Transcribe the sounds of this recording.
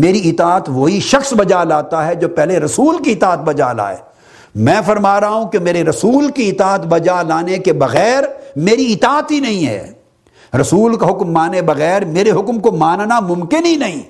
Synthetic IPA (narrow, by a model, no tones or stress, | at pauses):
meːɾiɪt̪aːt̪ʋoːɦiʃɐxsbɐd͡ʒalaːt̪aɦɛd͡ʒoːpɛɦleɾɐsuːlkiɪt̪aːət̪̚bɐd͡ʒa̰ːla̰ːḛː | mɛ̃ːfɐɾmaːɾɐɦaɦũkemeːɾeɾɐsuːlkiɪt̪aːət̪bɐd͡ʒalaːnekebɐɣɛːɾmeːɾiɪt̪aːət̪ɦinɐɦĩɦɛ̰ː | ɾɐsuːlkaɦʊkmːaːnebɐɣɛːɾmeːɾeɦʊkmkomaːnnamʊ̃mkɪnɦinɐɦĩː